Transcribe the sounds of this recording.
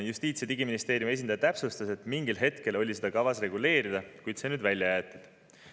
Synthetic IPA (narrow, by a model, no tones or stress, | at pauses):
just̪iːt̪sjt̪iɡiminist̪e̞ːɾjume̞s̬ʲind̪ɑjɑt̪æpsust̪ɑse̞t̪miŋɡilɦe̞t̪ke̞lo̞lʲise̞d̪̥ɑkɑvɑsre̞ɡule̞ːɾid̪̥ɑkujd̪̥se̞nyːd̪vælʲjɑjæːt̪ːˑud̪̥